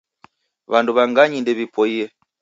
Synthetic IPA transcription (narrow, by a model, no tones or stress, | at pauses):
βanduβaŋɡaɲindɛβipʰɔiɛ